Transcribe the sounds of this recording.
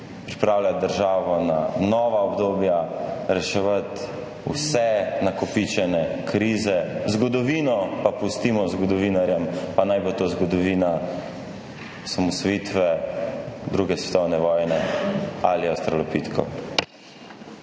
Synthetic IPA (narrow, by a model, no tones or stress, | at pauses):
pɾipɾaːwlʲjad̪əɾʒaːʋɔnanɔʋaɔbd̪oːbjaɾɛʃɛʋat̪ | ṵsɛnakɔpit͡ʃɛnɛkʰɾiːzɛzɡɔd̪ɔʋiːnɔpapust̪iːmɔzɡɔd̪ɔʋiːnaɾjɛmpanajbot̪ozɡɔd̪ɔʋiːna | samɔsʋɔjiːt̪ʋɛ | d̪ɾuːɡɛsʋɛt̪ɔwnɛʋɔːjnɛa̰liast̪ɾɔlɔpit̪kʰɔ̰